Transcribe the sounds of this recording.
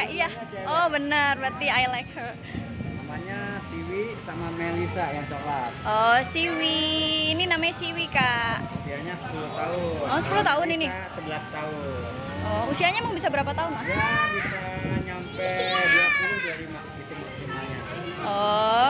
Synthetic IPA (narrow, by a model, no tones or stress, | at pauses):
kaijaɔhbənərbərt̪iajlak̚hər | namaɲasiwisamamelisajaŋt̪əɾat̪̚ʔɔsiwiːninamaɲasiwikaʔusiaɲasə̥puluht̪aʊnɔsə̥pulʊht̪aʊnini | səbəlast̪aʊn | ɔusiaɲamaŋbisabəɾapat̪aʊnlahkit̪aɲampɛdiat̪udaɾimaɡit̪umak̚simaɲa | ɔ